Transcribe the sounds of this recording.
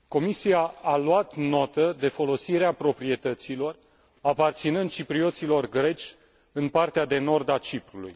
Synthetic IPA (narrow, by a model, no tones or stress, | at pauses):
ko̞misiaalwat̪no̞t̪əd̪e̞fo̞lo̞siɾeapɾo̞pɾie̞t̪ət̪silo̞r | apart̪sinɨnd̪̚t͡ʃipɾio̞t̪silo̞rɡɾe̞t͡ʃʲ | ɨnpart̪ead̪e̞no̞rd̪at͡ʃipɾulṵj